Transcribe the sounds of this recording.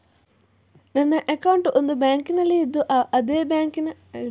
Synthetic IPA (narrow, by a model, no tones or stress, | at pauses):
nɐnːɐʔɐkɐwuɳʈuʔond̪ubjaːŋkinɐlːiid̪ːuʔɐʔɐd̪eːbjaːŋkinɐ